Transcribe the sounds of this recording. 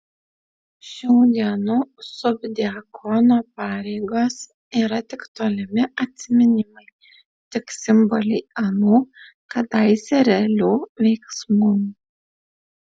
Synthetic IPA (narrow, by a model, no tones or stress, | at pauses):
ʃʲɛʊd̪ʲiɛnuːsʊbʲd̪ʲiɛkʰɔnoːpɑːɾʲɛɪɡoːs | iːɾɐt̪ʲɪkt̪oːlʲɪmʲɪʔɐt̪ʲsʲɪmʲɪnʲɪmɐɪ | t̪ʲɪksʲɪmbɔlʲɛɪɐnuː | kɐt̪ɐɪsʲɛɾʲɛlʲuːʋʲɛɪksmuː